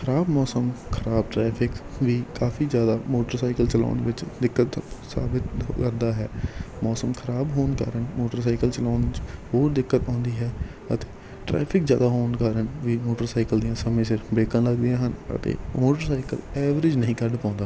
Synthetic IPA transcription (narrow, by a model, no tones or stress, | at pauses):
kʰəɾaːbmɔːsəmkʰəɾaːb̚ʈɾɛːpʰɪkʋiːkaːfʰiːzjaːd̪aːmoːʈəɾsaːɪkəlt͡ʃəla̰ːʊɳʋɪt͡ʃd̪ɪkːət̪sa̰ːbɪt̪kəɾd̪aːɦɛːmɔːsəmkʰəɾaːbɦoːnkə̰ɾənmoːʈəɾs̬aːɪkəlt͡ʃəlaːnd͡ʒɦoːɾd̪ɪkːət̪ɔ̃ːnd̪iːɦɛː | ət̪eː | ʈɾɛ̰ːpʰɪkzja̰ːd̪aːɦoːnkəɾənʋiːmoːʈəɾsaːɪkəld̪ɪjãːsəmẽːsɪɾbeːkãːləɡd̪ijãːɦənə̰t̪ḛːmoːʈəɾsaːɪkə̰lɛːʋɾɪd͡ʒnəĩːkəɾɖpãːnd̪aː